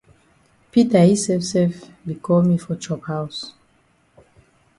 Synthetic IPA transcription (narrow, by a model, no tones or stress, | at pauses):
pitahisɛfsɛlfbikʰɔlmifɔt͡ʃɔphaws